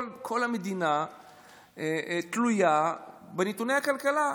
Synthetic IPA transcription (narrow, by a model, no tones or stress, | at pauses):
lkʰo̞lhamed̪ina | et̪luja | benetunejhakalkala